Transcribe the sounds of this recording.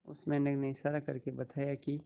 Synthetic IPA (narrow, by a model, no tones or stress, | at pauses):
ʊ̰smẽnəɡnẽɪʃaːɾakɐɾkebɐt̪ʰaːjaki